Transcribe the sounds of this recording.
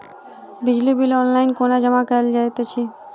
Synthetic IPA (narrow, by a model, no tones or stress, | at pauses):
bɪd͡ʒlibɪlɔːnlaɪnkoːnad͡ʒəmakəld͡ʒaːjt̪et͡ʃʰiː